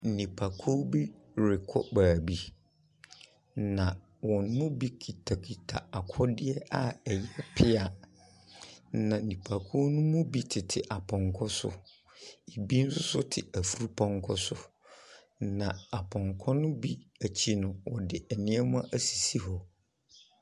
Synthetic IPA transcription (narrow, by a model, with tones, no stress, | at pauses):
n̩˨nĩ˨pʰa˨kʰo˦bi˦ | ɾɪ˨kʰɔ̰˦baː˨bi˦ | nã˨ | wɔ˨nː˦ʊ̃˦bi˦kʰi˨tʰa˨kʰi˨tʰa̰˨a˨kʰɔ˦dɪ˦ɛ˦ʔa˦ɛ˨jɛ˦pʰɪ˦a˨ | nã˨nĩ˨pʰa˨kʰu˦nʊ̃˦mʊ̃˦bi˦tʰɪ˨tʰɪ˨ʔa˨pʰɔ̃˨ŋkʰɔ˦sʊ̰˦ | i˨bi˦n̩˦sʊ˦sʊ˦tʰɪ˨æ˨fu˨ɾu˦pʰɔ̃˦ŋkʰɔ˦sʊ˨ | nã˨a˨pʰɔ̃˨ŋkʰɔ˦nʊ̃˦bi˦æ˨t͡ɕʰi˦nʊ̃˨wɔ̰˨dɪ˨ʔɛ˨nɪ̃˦ɛ˦mʊ̃˦ʔæ˨si˨si˦ɦɔ˨